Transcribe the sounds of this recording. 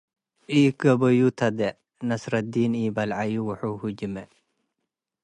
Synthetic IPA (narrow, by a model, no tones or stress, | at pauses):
ʔikɐbɐjut̪ʰɐd̪ɛ | nɐsɾɐd̪iːniːbɐlʕajuwʊħuhuɟimɛ